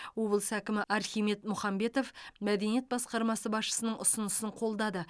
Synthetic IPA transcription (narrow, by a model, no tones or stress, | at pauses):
o̞bəlˠsækʲɪmɪʔɑɾχijme̞t̪mʊχɑmbe̞t̪o̞fmæd̪e̞nije̞t̪̚bɑsqɑɾmɑsəbɑsʃə̥sənəɴʔʊsənəsəɴqʰo̞lˠd̪ɑd̪ə